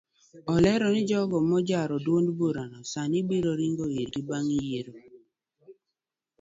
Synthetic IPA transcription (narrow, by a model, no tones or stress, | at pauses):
ɔlɛɾɔnɪd͡ʒɔɡɔmɔd͡ʒaɾɔdwondboɾanɔsanibiɾoɾiŋɡoiɾɡibaŋijeɾo